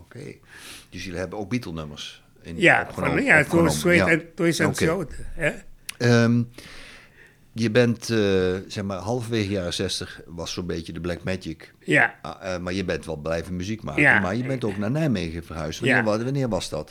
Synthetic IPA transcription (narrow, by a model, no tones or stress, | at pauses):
okʰḛː | d̥øsjələhɛbəok̚bitəl̩ˠnømərs | ɪnjaxənojatooːmswɪɛtwɪsɛsoːtəɛəm | jəbɛntsɛxmaːrɦɔlˠəfvəʋeːɣəjaːrəsɛstəxʋɔsːobeːtjədəblɛk̚mɛtək | jamarjəbɛntʋɔlˠblɛjvənmyzikmaːkənmarjəbɛntoːknanɛjmeːɣəfərhœɥstəʋʋanɪəʋɔsdɔt